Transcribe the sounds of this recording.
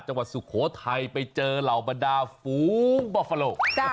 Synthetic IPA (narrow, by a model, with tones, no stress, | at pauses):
t̪̚t͡ɕa˧ŋwa˨˩t̪̚su˨˩kʰoː˨˦˥t̪ʰa˧jpa˧jt͡ɕɤː˧la˨˩wba˧ndaː˧fuː˨˦ŋbɔː˧˩fa˧loː˧˩t͡ɕa˧